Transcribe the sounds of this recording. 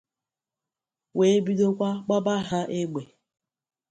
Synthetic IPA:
we˦bi˦do˦kʷa˦k͡pa˦ba˦ɦa˦ʔe˦ɡ͡be˨

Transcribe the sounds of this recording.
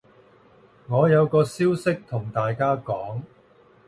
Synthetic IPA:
ŋɔː˨˧jɐ˨˧wkɔː˧siː˥wsɪ˥k̚t̪ʰʊ˨˩ŋt̪aː˨jkaː˥kɔː˨˥ŋ

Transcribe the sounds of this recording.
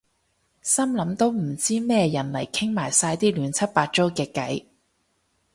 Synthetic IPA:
sɐ˥mlɐ˨˥mt̪o˥wm̩˨˩t͡siː˥mɛː˥jɐ˨˩nlɐ̰˨˩jkʰɪ˥ŋmaː˨˩jsaː˧jt̪iː˥lyː˨˥nt͡sʰɐ˥t̚paː˧t̚t͡so˥wkɛː˧kːɐ˨˥j

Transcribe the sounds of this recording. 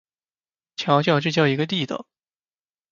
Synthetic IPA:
t͡ɕʰjɑ˧˥ʊt͡ɕjɑ˥˧ʊʈ͡ʂɻ̩˥˧t͡ɕjɑ˥˩ʊi˧˥ɡə˧t̪i˥˩d̪ə̰˨˩˦

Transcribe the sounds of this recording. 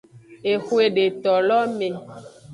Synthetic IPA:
e˨xwe˨ɖe˨t̪ɔ˨lɔ˦mẽ˨

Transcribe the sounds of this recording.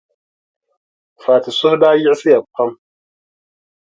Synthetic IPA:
faː˨tɪ˨sʊ˦hdaː˦jɪ˦ʔɪ˦sɪ˦ja˨pʰa˦m

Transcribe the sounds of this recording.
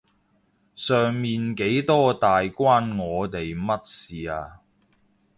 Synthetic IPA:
sœː˨ŋmiː˨nke˨˥jt̪ɔː˥t̪aː˨jkwaː˥nŋɔː˨˧t̪e˨jmɐ˥t̚siː˨aː˧

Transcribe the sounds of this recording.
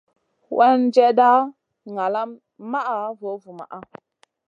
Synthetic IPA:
wa˦nd͡ʒe˦da˦ | ŋa˨la˦m | ma˦ʔa˨vo˨˦vu˨ma̰˨ʔa˦

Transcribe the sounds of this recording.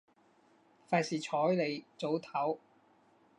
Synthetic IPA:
faː˧˩siː˨t͡ʃʰɔː˨˥jle˨˧jt͡so˨˥wt̪ʰɐ˨˥w

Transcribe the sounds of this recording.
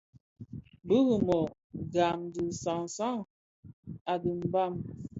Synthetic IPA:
bə˦ɣə˨mɔ˨ | ɡa˨mdi˨sa˨ŋ˨sa˦˨ŋ | a˨di˨m̩˦ba˦˨m

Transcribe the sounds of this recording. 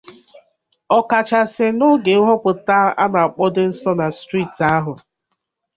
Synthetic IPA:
ɔ˨ka˨t͡ʃa˨sɪ˦nʊ˦ɡe˨˦ɦɔ˦kʊ˨ta˦a̰˦na˨a˨k͡pɔ˦dɪ˦n̩˦sɔ˦na˨stɾi˦˨ta˦ɦʊ˨

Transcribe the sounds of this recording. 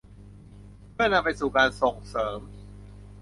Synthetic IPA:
pʰɯ˥˩ɐna˧mpa˧jsuː˨˩kaː˧nso˨˩ŋsɤː˩˦m

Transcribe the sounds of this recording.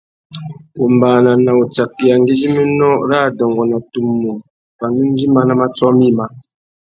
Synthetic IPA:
u˨mbaː˨na˨na˨u˨t͡sa˨kːi˨ja˨ŋ˦ɡi˦d͡ʒi˦mi˦nɔ˦ɾa˦˨dɔ˨ŋɡɔ˨na˨tu˨mːu˨m | pa˨ŋɡi˦n˦d͡ʒi˦ma˦na˦ma˦t͡sɔ˦mi˦˨ma˨

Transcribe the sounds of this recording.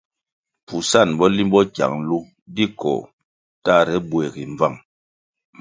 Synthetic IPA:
pu˨sa˦˨nbɔ˦li˦mbɔ˦ka̰˨ŋlu˦ | di˦kɔ̰ː˨ | ta˦˨ɾɛ˦bwɛ˨ɣi˨ɱ˨va˦˨ŋ

